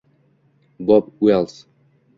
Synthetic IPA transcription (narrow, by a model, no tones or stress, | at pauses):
bɔb̚wɛlˠs